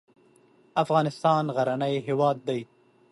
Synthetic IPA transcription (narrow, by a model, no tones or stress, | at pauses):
afɣɑːnɪst̪ɑːnɣaɾanajɦɪwɑːd̪̚ːaj